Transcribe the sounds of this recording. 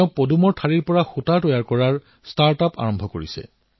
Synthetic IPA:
ʊ̃podumɔɹtʰaɹiɹpɔɹaxutaɹtɔjaɹkɔɹaɹ | staɹtapa̰ɹɔmbʱɔkoɹisɛ̰

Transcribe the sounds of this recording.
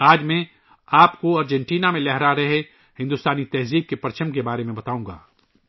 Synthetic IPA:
aːd͡ʒmẽ | aːpkoɐɾd͡ʒɛ̃ɳʈiːnamẽlɛɦɾaɾɐɦe | hɪ̃nd̪ʊst̪aːnit̪ɛɦziːb̚kepɐɾt͡ʃʰə̃mkebaːɾemẽbɐt̪aːũːɡa̰ː

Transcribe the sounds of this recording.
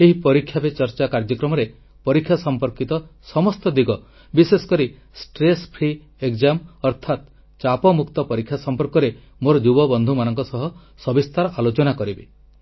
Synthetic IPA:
eɦipɔɾikʰːjabet͡ʃɔɾt͡ʃakaɾd͡ʒɔkɾɔmɔɾe | pɔɾikʰːjasɔmpɔɾkit̪ɔsɔmɔst̪ɔd̪iɡɔ | bisesɔ̥kɔɾi | sʈɾespʰɾi | ekd͡ʒamɔɾt̪ʰat̪ | t͡ʃapɔmukt̪ɔpɔɾikʰːjasɔmpɔɾkɔɾe | moɾɔd͡ʒubɔbɔnd̪ʱumanɔŋkɔsɔɦɔ | sɔbist̪ʰaɾɔʔalot͡ʃɔnakɔɾibe

